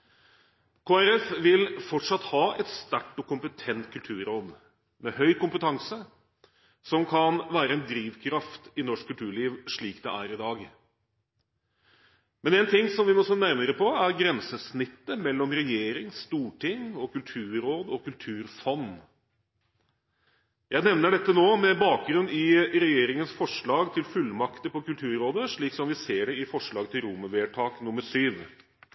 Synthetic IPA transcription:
kʰoːæɾɛfʋɪlfɔʈʂɑt̪ːhɑːɛt̪st̪æʈːʊkʊmpət̪ʰɛnt̪kʰʉlt̪ʰʉːɾɾoːd̪ | mɛhœʏkʊmpət̪ʰɑŋsə | sɔmkʰɑnʋæːɾəɛnd̪ɾiːʋkʰɾɑft̪ɪnɔʂkʰʉlt̪ʰʉːɭiːʋʂɭiːkd̪ɛ̰ʔæːɾɪd̪ɑːɡ | mɛneːnt̪ʰɪŋːsɔmʋɪmɔsoːnæɾməɾəpʰɔæɾɡɾɛnsəsnɪt̪ːəmɛlːɔmɾɛjeːɾɪŋst̪uːʈʰɪŋɔkʉlt̪ʰʉːɾoːd̪ɔkʉlt̪ʰʉːɾfɔnː | jæɪnɛʋnəɖɛt̪ːənoːmɛbɑːk̚ɡɾʉnːɪɾɛjeːɾɪŋənsfɔʂɭɑːɡt̪ʰɪlfʉlːmɑkt̪əpɔkʉlt̪ʰʉːɾɾoːd̪əʂɭiːksɔmʋɪseːɖɛɪfɔʂɭɑːɡt̪ʰɪlɾʊmːəʋeːʈʰɑːknʊmːəɾʂyːʋ

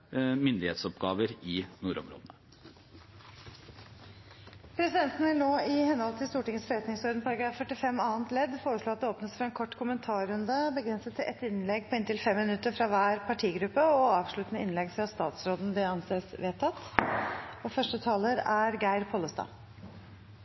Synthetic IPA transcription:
mʏnd̪ɪhḛːt̪sɔpɡɑːʋəɾɪnuːɾɔ̰mɾo̰ːd̪nə | pʰɾɛsɪd̪ɛnt̪n̩ʋɪlnoːɪhɛnhɔlt̪ʰɪlst̪uːʈɪŋəsfɔɾɛt̪nɪŋsɔɾd̪npʰɑɾɑɡɾɑːfːœʈːɪfɛmɑːənt̪lɛd̪foːɾəʂɭoːɑt̪̚d̪ɛoːpnəsfɾɑɾɛnkʰɔʈːkʰʊmənt̪ʰɑːɾʉnd̪əbəɡɾɛnsət̪ʰːɪʔɛt̪ɪnlɛɡ̚pʰɔɪnt̪ɪlfɛmːɪnʉt̪ːəɾfɾɑʋæːɾpʰɑʈʰiːɡɾʉpːəɔɑːʋʂɭʉt̪ənəɪnlɛɡfɾɑst̪ɑːt̪sɾoːd̪n̩d̪ɛɑnseːsʋeːt̪ʰːɑt̪ː | ɔfœʂʈət̪ʰɑːləɾæɾɡæɪɾpʰɔləst̪ɑ̰ː

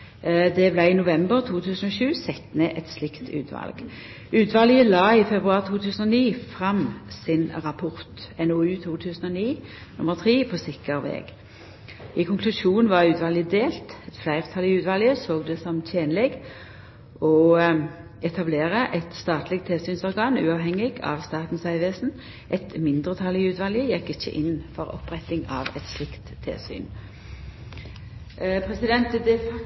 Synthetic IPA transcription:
d̪ɛblæɪɪnʊʋɛmbəʁt̪ʰuːt̪ʰʉːsən̩ɔʃʉːsɛt̪neːʔɛt̪slɪkt̪ʰʉ̰ːt̪ʰʋɑ̰lɡ̥ | ʉːt̪ʰʋɑljəlɑːɪfɛbʁʉɑːʁt̪ʰuːt̪ʰʉːsən̩ɔniːfʁɑmsɪnʁɑpʰʊʁt̪ɛnoʉːt̪ʰuːt̪ʰʉːsnɔniːnʊ̰məʁt̪ʰʁiːpʰosɪkəʁʋḛːɡ | ɪkʰʊŋkʰlʉʃuːnn̩ʋɑʁʉːt̪ʰʋɑlɪəd̪eːlt̪ɛt̪flæɪʁt̪ʰɑlɪʉːt̪ʋɑːljəsoːɡd̪ɛsɔmt̪ʰeːnlɪɡ | ɔ | ɛt̪ʰɑbleːʁəʔɛt̪st̪ɑːt̪lɪk̚t̪ʰːeːsyːnsɔʁɡɑːnʉ̰ːɑʋɦɛŋːɪɡɑ̰ːʋst̪ɑːt̪n̩sæɪʋeːsn̩ | ʔɛt̪mɪnd̪ʁət̪ʰɑlɪʉːt̪ʋɑːlɪəjɛkːɪçːə̰ʔɪnːfɔʁɔ̰pʁɛt̪ɪŋɑ̰ːʋɛt̪slɪkt̪ʰːḛːsy̰ːn | pʰʁɛsɪd̪ɛnt̪d̪ɛ

